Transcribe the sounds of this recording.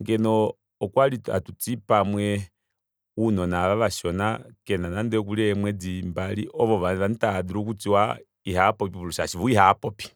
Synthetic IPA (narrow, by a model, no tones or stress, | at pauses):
ŋɡɛnɔː | kwalia̰tut͡sipamwɛ | unɔnaʋaʋaʃɔnakɛnanandɛk̬uliɛmwɛd͡zimbalḭʔɔʋɔʋaʋanitadiɾuk̬ut͡siwa̰ | iɦapɔppiβuluʃaʃivuiɦapɔpi̥